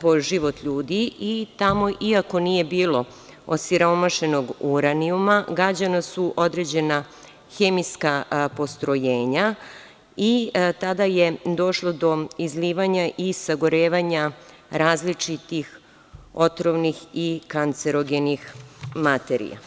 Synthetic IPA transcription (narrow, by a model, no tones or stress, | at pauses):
po̞ʒiʋo̞t̪ʎuːd̪iit̪amo̞ʔiako̞nije̞biːlˠo̞ | osiɾomaʃe̞no̞ɡuɾaniumaɡɾad͡ʑanasuʔo̞d̪ɾe̞d͡ʑe̞na | xe̞miskapo̞st̪ɾo̞jeːɲa | it̪ad̪ajed̪o̞ʃlˠod̪o̞izliːʋaɲaʔisaɡoɾe̞ːʋaɲa | ɾaːzlit͡ʂit̪ix | ot̪ɾoʋnixikant̪seɾo̞ɡenixmat̪eɾḭja̰